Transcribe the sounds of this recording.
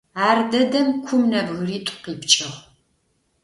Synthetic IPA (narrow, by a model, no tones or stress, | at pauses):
aːrdɐdɐmkʷʰʊmnɐbɣʊriːtʷʼʊ̥qiːpt͡ʃʼɐʁ